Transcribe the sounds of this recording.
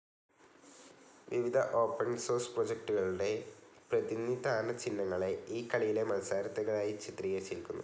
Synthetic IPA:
ʋiʋid̪ʱɐʔo̞ːpːɐnso̞ːrspro̞ːd͡ʑek̚ʈuɣɐɭuɽe̞prɐðinid̪ʱaːnɐt͡ɕinːɐŋːɐɭe̞iːkːɐɭijile̞mɐnsaːɾɐt̪ːɐɣɐɭaːjit͡ɕit̪rijɐrt͡ɕːilkʲːunːu

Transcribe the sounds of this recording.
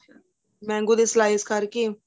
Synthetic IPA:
mɛ̃ːŋɡud̪eːsəlaːiskəɾkiː

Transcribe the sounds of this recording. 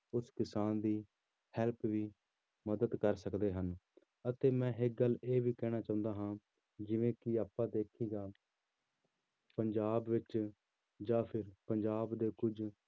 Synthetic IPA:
ʊskɪsaːnd̪iː | hɛlpʋiː | məd̪əd̪kəɾsəkd̪eːɦən | ət̪eːmɛ̃ːɦɪk̚ɡəlːeːʋiːkɛːɽ̃aːt͡ʃaːʊ̃nd̪aːɦãː | d͡ʒɪʋẽːkɪaːpːãːd̪eːkʰiːɡaː | pəɲd͡ʒaːbʋɪt͡ʃ | d͡ʒaːpʰɪɾpəɲd͡ʒaːbd̪eːkʊd͡ʒ

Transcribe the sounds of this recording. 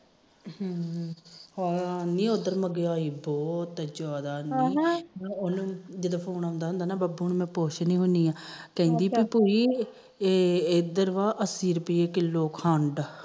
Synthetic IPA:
ɔanĩːod̪əɾməɡeaːiːbɔːt̪ːəd͡ʒɔːd̪aːnĩːonũd͡ʒed̪aːpʰoːnaːʊ̃nd̪aːɦʊ̃nd̪aːnaːbaːbuːnuːmɛ̃ːpoːʃnĩːɦʊniːãːkɛ̃ĩːnd̪iːbipoːiː | ed̪əɾʋaːʔəsiːɾpiːeːkɪloːkhaɳɖ

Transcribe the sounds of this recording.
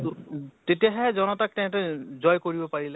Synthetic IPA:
tetijaɦɛɛzɔnɔtak̚tɛ̃tɛzɔjkoɹibɔpaɹilɛ

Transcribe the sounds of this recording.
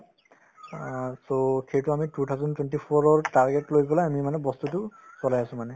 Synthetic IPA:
soxejtʊamitutʰawzɔntwɛntipʰɔɹɔɹtaɹɡɛtlojɡɔlaamimanɛbɔstutʊsɔlajasʊ̃manɛ

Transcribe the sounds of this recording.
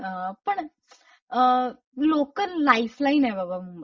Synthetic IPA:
ɦapəɳ | lokəlːaiflainɛbaba

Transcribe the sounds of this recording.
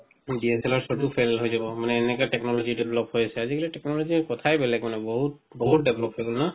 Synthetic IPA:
diɛsɛlɔɹsɔtupʰɛllɦojzabɔmanɛːnɛkatɛknɔlɔzidɛbʱlɔp̚hojasɛazikalitɛknɔlɔzikɔtʰajbɛlɛkmanɛbɔɦut̚ | bɔɦut̚dɛblɔp̚hojɡolna

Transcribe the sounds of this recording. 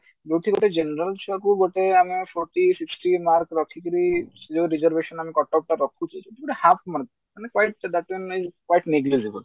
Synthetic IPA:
d͡ʒewʈʰiɡoʈed͡ʒenɾəlt͡ʃʰakuɡoʈeamepʰɔɾʈisiksʈimaɾkɾɔkʰikɔɾid͡ʒoɾid͡ʒəɾbeʃɔnamekɔʈɔp̚ʈaɾɔkʰut͡ʃʰid͡ʒewʈʰiɡoʈehapmaɾk̚ | manekwajʈ̚d̪aʈinizkwajʈneɡlizibəl

